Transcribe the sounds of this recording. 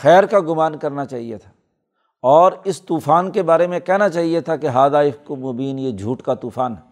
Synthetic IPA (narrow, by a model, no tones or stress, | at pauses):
xɛːɾkaɡʊmaːnkɐɾnat͡ʃaːɦiet̪ʰḁː | ɔːɾɪst̪uːfaːnkebaːɾemẽkɛɦnat͡ʃaːɦiet̪ʰakeɦaːd̪aːɪfkomoːbiːnjed͡ʒʱuːʈkat̪uːfaːnɦɛː